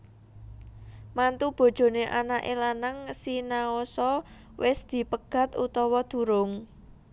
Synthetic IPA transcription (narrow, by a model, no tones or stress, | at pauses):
mant̪ub̥o̤d̥ʒ̥o̤neʔanaʔḛlanəŋsinaosɔ | wɪsd̪̥i̤pəɡ̥ä̤t̪ṵt̪ɔwɔd̪̥ṳɾʊŋ